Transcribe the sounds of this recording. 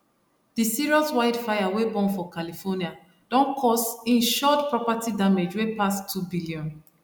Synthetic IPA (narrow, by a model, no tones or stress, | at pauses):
d̥isiɹiɔswaɪdfajawebɔ̃nfɔkalifɔnia | d̥ɔ̃nkʰɔstĩnʃɔtpɹɔpatidamed͡ʒwepastʰːubiliɔ̃n